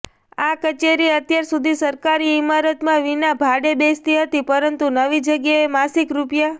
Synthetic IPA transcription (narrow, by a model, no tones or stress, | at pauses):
akət͡ʃeɾiət̪jaɾsud̪ʱisəɾkaɾiimaɾət̪mãʋinabʱaɽebest̪iɦət̪ipəɾənt̪unəʋid͡ʒəɡjaemasikɾupja